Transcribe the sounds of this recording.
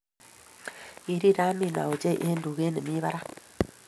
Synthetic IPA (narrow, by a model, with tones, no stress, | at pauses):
i˨ɾi˦ɾa˦mi˦˨na̰˨u˨d͡ʒe˦˨ʔe˦n˦du˨ɣe˦ne˨mi˦βa˦ɾa˦